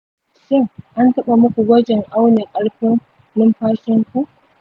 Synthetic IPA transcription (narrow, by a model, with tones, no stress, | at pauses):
ʃɪ˦ŋʔa˦ntɐ˦ɓa˨mʊ˦kʷu˨ɡʷɐ˦d͡ʒɪ˨ŋʔa˦wneː˨kʼɐ˦ɽɸɪ˦ŋ | nɪ˦mɸaː˦ʃɪ˦ŋkʷu˦ʔ